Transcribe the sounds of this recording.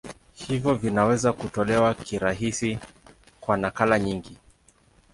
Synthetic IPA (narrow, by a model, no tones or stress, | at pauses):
hivjɔvinawɛzakutɔlɛwakiɾaɦisi | kwanakalaɲiŋɡi